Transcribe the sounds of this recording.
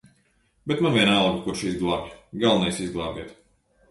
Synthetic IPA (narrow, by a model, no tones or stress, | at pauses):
bɛt̪manviɛnalˠɡukuɾʃizɡlˠaːvʲɡalˠnɛjsizɡlˠaːɡiɛt̪